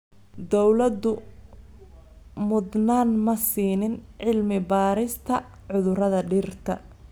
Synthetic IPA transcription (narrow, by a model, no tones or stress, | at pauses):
d̪ɔwlɐd̪ʊ | mʊd̪naːnmɐsiːnɪnʕɪlmɪbaːɾɪst̪ʰɐ | ʕʊðʊrɐðɐɖɪrt̪ʰɐ̰